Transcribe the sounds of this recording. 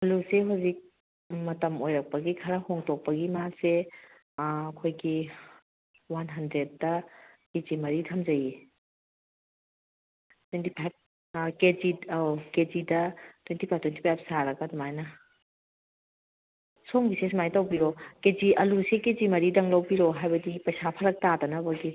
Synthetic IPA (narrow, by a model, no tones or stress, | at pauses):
ɐluseɦawzik̚ | mɐtɐmojɾɐk̚pɐɡikʰɐɾɐhoŋtok̚pɐɡimase | ɐkʰojɡi | wanɦɐndɾed̚dɐkezimɐɾitʰɐmzɐji | twentipʰajp̚ | ked͡ʒioked͡ʒidɐtwentipʰajptwentipʰajpsaɾɐɡɐdɔmajnɐ | soŋbises̬majtɐwbiɾokeziʔɐlusekezimɐɾidɐŋlɐwbiɾoɦajbɐdipɐjsapʰɐɾɐk̚tadɐnɐbɐɡi